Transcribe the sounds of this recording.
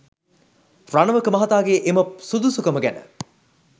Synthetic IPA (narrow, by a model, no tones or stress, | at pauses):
ranəʋəkəmɐɦat̪aːɡeːʔemɐp̚sud̪usukəməɡænə̰